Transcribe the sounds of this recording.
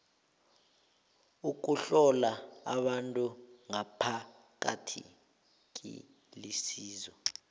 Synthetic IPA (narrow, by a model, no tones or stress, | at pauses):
uk̬uɬɔlaaɓantʼuŋapʰa | k̬atʰḭ | k̬ʼḭ | lisiːzɔ